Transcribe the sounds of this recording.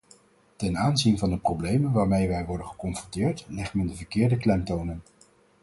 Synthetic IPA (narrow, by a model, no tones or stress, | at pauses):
tɛnaːnzinvɑndəprowblejmənʋaːɹmejʋɛjʋɔɹdənχəkɔnfrɔntɪːɹtlɛχtmɛndəvəɹkɪːɹdəklɛmtownən